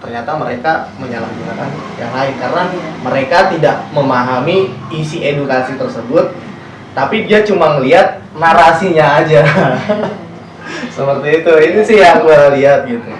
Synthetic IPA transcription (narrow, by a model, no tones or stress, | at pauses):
t̪ərɲat̪aməɾekaməɲalahɡunakanjaŋlaɪnkaɾənaməɾekat̪idaʔ̚məmaɦamiːsiʔedukasit̪ərsəbʊt̪̚ː | apidiat͡ʃumaŋəliɦat̪̚ | naɾasiɲaːd͡ʒa | səpərt̪iːt̪uinisɪhjaŋbulaliɦat̪̚ɡit̪u